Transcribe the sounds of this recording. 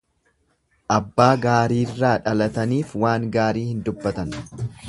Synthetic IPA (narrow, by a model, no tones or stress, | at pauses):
ʔɐbːaːɡaːɾiːrːaːᶑɐlɐt̪ɐniːfwaːŋɡaːɾiːhɪnd̪ʊbːɐt̪ɐn